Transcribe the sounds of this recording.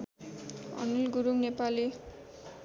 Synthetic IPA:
ʌ̰nulɡuɾuŋnepali

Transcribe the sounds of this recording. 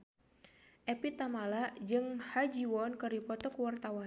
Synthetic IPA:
ʔɛpit̪amalad͡ʒɨŋhad͡ʒiwɔnkəripɔt̪ɔkuwart̪awa

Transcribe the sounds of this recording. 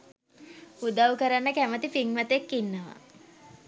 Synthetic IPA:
ud̪awkəɾanːəkæmət̪ifiŋmət̪ekːinːəʋa̰

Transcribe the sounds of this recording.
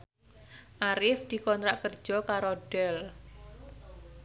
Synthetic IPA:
ʔaɾɪfd̪̥i̤kɔnt̪ɾaʔkərd̥d͡ʒ̥ɔkaɾoɖ̥ɛl

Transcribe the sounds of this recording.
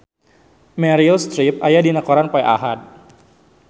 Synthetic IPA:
mɛɾilst̪ɾip̚ajadinakɔɾanpajʔa̰ɦat̪̚

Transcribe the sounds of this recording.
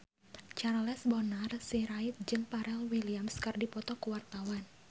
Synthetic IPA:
t͡ʃanlɛsbɔnarsiɾait̪̚d͡ʒɨŋpaɾɛlwiliamskɨrdipɔt̪ɔkuwart̪awan

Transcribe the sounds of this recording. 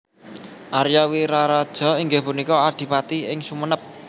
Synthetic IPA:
ʔaɾjawiɾaɾad̥ʒ̥ɔ̤iŋɡɪhpunikɔaɖ̪̥i̤pat̪iɪŋsumənəp̚

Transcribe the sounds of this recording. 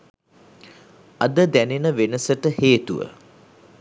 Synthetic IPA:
ɐd̪əd̪ænenəʋenəsəʈəheːt̪uʋə̰

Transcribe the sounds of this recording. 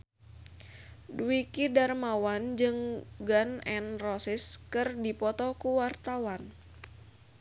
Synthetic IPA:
dikidarmawand͡ʒɨŋɡanɛnrɔsɪskɨrdipɔt̪ɔkuwart̪awan

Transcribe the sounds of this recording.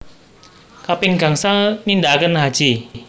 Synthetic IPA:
kapɪŋɡa̤ŋsaŋnind̪akənɦad̥ʒ̥i

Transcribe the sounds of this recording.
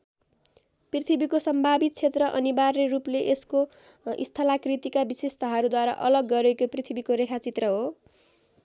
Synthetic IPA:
prit̪ʰibikosʌmbʱabit̪̚t͡sʰet̪rʌʔʌ̰nibarːerupleʔesko | ḭst̪ʰʌlakrit̪ikabisest̪ʰʌɦʌɾud̪waɾa̰ʔʌlʌɡːʌɾekoprit̪ʰibikoɾekʰat͡sit̪rʌɦo

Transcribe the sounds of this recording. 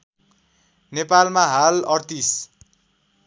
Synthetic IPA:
nepalmaɦalʌrt̪is

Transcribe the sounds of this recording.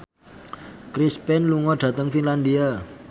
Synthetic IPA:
kɾispɛnluŋɔɖ̥ä̤t̪əŋfinland̪ia

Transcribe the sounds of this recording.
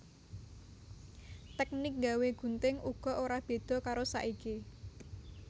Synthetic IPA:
t̪ɛk̚nɪk̚ŋɡaweɡ̥ṳnt̪ɪŋuɡ̥ɔ̤ʔoɾab̥e̤d̪̥ɔ̤kaɾosa̰ʔiki

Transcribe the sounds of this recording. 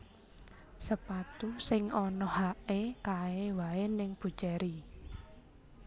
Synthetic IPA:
səpat̪usɪŋɔnɔhaʔekaewaenɪŋb̥ṳ̥ʒ̥aɾi

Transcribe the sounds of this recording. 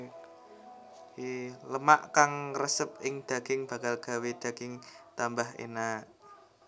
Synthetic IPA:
ləmaʔkaŋrəsəp̚ɪŋd̪̥a̤ɡ̥ɪŋb̥ä̤kalɡ̥a̤wed̪̥a̤ɡ̥ɪŋt̪ambaɦḛna

